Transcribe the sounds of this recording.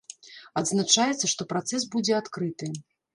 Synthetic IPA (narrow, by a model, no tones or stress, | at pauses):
ɐd̪znat͡ʂajɛt̪sːɐʂt̪ɔpɾat̪sɛs̬bud͡zʲɛat̪kɾɨt̪ɨ